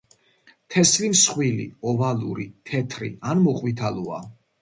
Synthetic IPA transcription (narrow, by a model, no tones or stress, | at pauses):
t̪ʰɛslimsχwilḭɔvalṵɾit̪ʰɛt̪ʰɾḭanmɔqʼwit̪ʰalɔa